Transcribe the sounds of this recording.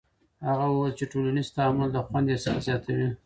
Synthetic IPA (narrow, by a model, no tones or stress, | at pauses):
haɣaazt͡ʃeʈolaniz̥t̪aamʊld̪əxwand̪esaɾzjɑt̪awi